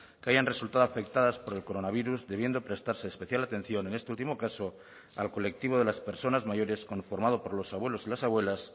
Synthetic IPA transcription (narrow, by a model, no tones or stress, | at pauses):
keaʝanre̞sult̪aðoafe̞k̚t̪aðaspo̞ɾe̞lko̞ɾo̞naβiɾuzðe̞β̞je̞nd̪o̞pɾe̞st̪aɾseːspe̞θjalat̪e̞n̟θjo̞ne̞nest̪e̞ult̪imo̞kaso̞ | a̰lko̞le̞k̚t̪iβo̞ðe̞laspe̞ɾso̞nazmaʝo̞ɾe̞sko̞ɱfoɾmað̞opo̞ɾlo̞saβwe̞lo̞silasaβwe̞las